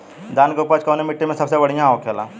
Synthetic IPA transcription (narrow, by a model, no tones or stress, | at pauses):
d̪aːnkeupət͡ʃkɐːnemɪʈːimẽsɐbsebɐɽ̤ijãoːkʰjelã̰ː